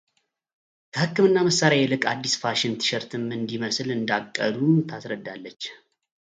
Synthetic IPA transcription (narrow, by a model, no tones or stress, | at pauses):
kʰəhɨkːɨmɨnːaməsːaɾjajɛlɨkʼad̪ːisfaʃɪnt̪ʰɨ̥ʃɛɾt̪ʰɨmɨnd̪iməslɨnd̪akʼːə̰d̪umt̪ʰasɾəd̪ːalːət͡ʃː